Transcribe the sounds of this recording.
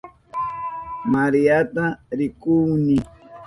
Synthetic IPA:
maɾijat̪aɾɪkʊŋnɪ

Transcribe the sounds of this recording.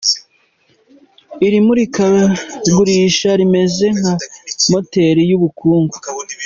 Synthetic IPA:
iɾimuɾikaɡuɾiːʃaɾime̞ze̞ŋhamote̞ɾijuβukʰuːŋɡo

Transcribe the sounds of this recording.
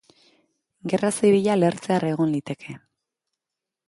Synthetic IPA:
ɡe̞rasiβiʎale̞ɾt͡seare̞ɣ̞o̞nlit̪e̞kʰe̞

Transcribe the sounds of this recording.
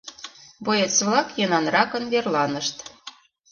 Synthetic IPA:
bojet͡sβlɑkjɤnɑnrɑkə̆nβerlɑnə̆ʃt̪

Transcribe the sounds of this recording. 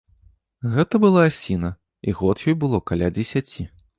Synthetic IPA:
ɣɛt̪ɐbɨlˠasʲinɐ | iɣɔt̪jɔjbɨlˠɔkalʲad͡zʲɪsʲat͡sʲi

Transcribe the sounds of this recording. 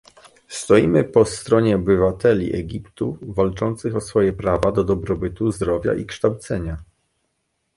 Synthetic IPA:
st̪ɔjimɘpɔst̪ɾɔɲɛɔbɘvat̪ɛlʲḭʔɛ̰ɡʲipt̪uvalt͡ʂɔnt̪sɘxɔsfɔjɛpɾavad̪ɔd̪ɔbɾɔbɘt̪uzd̪ɾɔvʲja̰ʔikʂt̪awt̪sɛɲa

